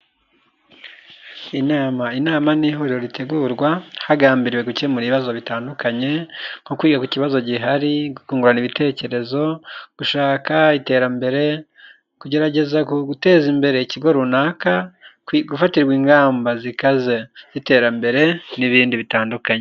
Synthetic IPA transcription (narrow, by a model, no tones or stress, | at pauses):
inaːmainaːmaniːhoɾiɾo̞ɾitʰe̞ɡuːɾɡwahaɡaːmbiɾiwe̞ɡucemuɾiβazo̞βitaːndukʰaɲe̞ŋ̥kokwiːɡakuciβazo̞ɟiɦaɾiukuːŋɡuɾaniβitʰe̞ːce̞ɾe̞zo̞ɡ̥uʃaːkaite̞ːɾambe̞ɾe̞ | kuɟe̞ɾaɟe̞zaɡute̞ːzimbe̞ɾe̞iciɡo̞ɾunaːka | ɡufatiɾɡwiːŋɡaːmbazikaze̞z̥ite̞ːɾambe̞ɾe̞niβiːndiβitaːndukaɲe